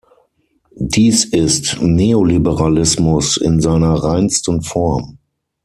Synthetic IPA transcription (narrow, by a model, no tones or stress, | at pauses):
diːsɪstneːolibəʁalɪsmʊsɪ̰nzaɪnɐʁaɪnstən̩fɔɐm